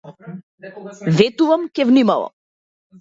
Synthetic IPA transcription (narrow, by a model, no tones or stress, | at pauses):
vɛt̪uvamkɛvnimalˠɔ̰